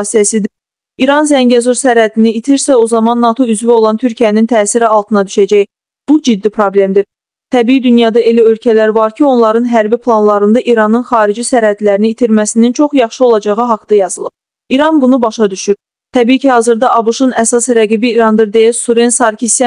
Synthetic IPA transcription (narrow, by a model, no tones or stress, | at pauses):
sijæsid̪ | iɾɑnzæɲɟæzuɾsæɾhæd̪ʰiniːt̪ʰiɾsæo̞zɑmɑnːɑt̪ʰo̞yzvio̞lˠɑnt̪ʰyɾcʰijænint̪ʰæːsiɾiɑlˠt̪ʰɯnɑd̪yʃæd͡ʒæj | b̥ud͡ʒid̪ːipʰɾo̞ble̞md̪iɾ | t̪ʰæbiːid̪ynjɑd̪ɑe̞læø̞lcʰælæɾvɑɾcʰio̞nlˠɑɾɯnɦæɾbipʰlˠɑnlˠɑɾɯnd̪ɑʔiɾɑnɯnχɑːɾid͡ʒisæɾhæd̪læɾiniːt̪ʰiɾmæsinint͡ʃʰo̞χjɑχʃɯo̞lˠɑd͡ʒɑʁɯɦɑkd̪ɑjɑzɯlˠɯp̚ | iɾɑnbunubɑʃɑd̪yʃyɾ | t̪ʰæbiːcʰihɑːzɯɾd̪ɑʔɑbuʃunæsɑsɾæɡibiːɾɑnd̪ɯɾd̪e̞jæsuɾensɑɾkʰis